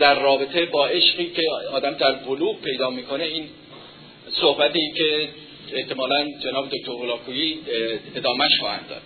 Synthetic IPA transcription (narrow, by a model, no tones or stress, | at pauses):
d̪æɾːɒːbet̪ʰe̞bɒːʔe̞ʃɢiːcʰe̞ɒːd̪æmd̪æɾboluːb̚pʰe̞jd̪ɒːmiːkʰo̞neiːn | sohbæt̪iːcʰe̞ | eht̪e̞mɒːlænd͡ʒe̞nɒːbed̪o̞c̚t̪ʰoɾbolɒːkʰuːjiːe̞d̪ɒːmæʃχɒːhæ̰nd̪ɒ̰ːd̪̥̚